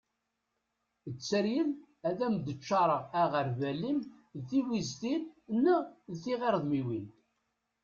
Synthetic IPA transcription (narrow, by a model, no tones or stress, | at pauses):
ət͡sːəɾjən | æðæmd̪ət͡ʃːɑɾˤəæʁəɾvælimðθiwizt̪innːəðθiʁeɾðˤmiwin